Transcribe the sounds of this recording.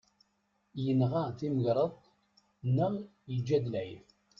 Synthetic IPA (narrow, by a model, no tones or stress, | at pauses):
jənʁaθiməʝɾˤəðˤ | nːəʁ | jəd͡ʒːæd̪əlʕiθ